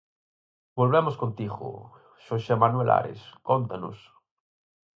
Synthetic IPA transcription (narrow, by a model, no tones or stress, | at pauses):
bolβemoskont̪iɣo̰ | ʃoʃemanwela̰ɾḛskont̪ano̰s